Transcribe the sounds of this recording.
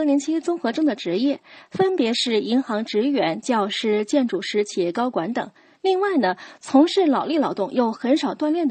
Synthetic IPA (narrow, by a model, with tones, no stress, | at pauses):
li˧˥nt͡ɕʰi˥t͡sʊ˥ŋxɤ˧˥ʈ͡ʂɤ˥ŋd̪ə˨ʈ͡ʂɻ̩˧˥jɛ˥˩fə˥npjɛ˧˥ʂɻ̩˥˩i˧˥ŋxɑ˧˥ŋʈ͡ʂɻ̩˧˥ɥɛ˧˥nt͡ɕjɑ˥˧ʊʂɻ̩˥t͡ɕjɛ˥˧nʈ͡ʂu˥˩ʂɻ̩˧˥t͡ɕʰi˧˥˩kɑ˥ʊkwa˧˥nt̪ɤ̰˨˩˦ŋ | li˥˧ŋwa˥˩ɪnə˩t͡sʰʊ˧˥ŋʂɻ̩˥˩lɑ˨˩ʊli˥˩lɑ˨˧˥ʊt̪ʊ˥˩ŋjo˥˩ʊxə˧˥nʂɑ˨˩ʊt̪wa˥˧nljɛ˥˩nd̪